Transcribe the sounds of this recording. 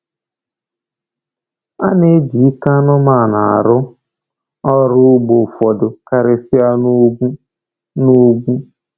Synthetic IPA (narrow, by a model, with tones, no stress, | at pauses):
a˦ne˦d͡ʒi˨i˦ka˦nʊ˦ma˨na˨a̰˨ɾʊ˦ | ɔ˦ɾʊ˦ʊ˦ɡ͡bo˨fɔ˨dʊ˨ka˨ɾɪ˨sɪ˦a˦nu˦ɡu˦ | no˦ɡ͡bʷu˦